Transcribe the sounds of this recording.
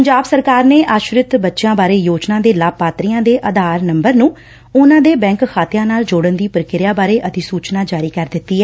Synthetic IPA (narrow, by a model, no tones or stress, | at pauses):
pəɲd͡ʒaːbsəɾkaːɾneːʔaːʃɾɪt̪bətːʃjãːbaːɾeːjoːd͡ʒnãːd̪eːlaːbpːaːt̪ɾiːjãːd̪eːʔəd̪aːɾnəmbəɾnũː | ʊnãːd̪eːbɛ̃ːŋkkʰaːt̪ɪjãːnaːld͡ʒoːɽənd̪iːpɾkɪɾjaːbaːɾeːʔət̪iːsuːt͡ʃnaːd͡ʒaːɾiːkəɾd̪ɪt̪ːiːɦɛː